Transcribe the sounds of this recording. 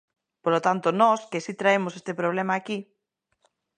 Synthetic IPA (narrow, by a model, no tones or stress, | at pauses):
polot̪ant̪onɔskesit̪ɾaemosest̪epɾoβlemaːki